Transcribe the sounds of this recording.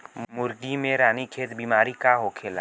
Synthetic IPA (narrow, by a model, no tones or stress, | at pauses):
mmʊɾɡimẽɾaːnikʰeːt̪biːmaːɾikaɦokʰeːla̰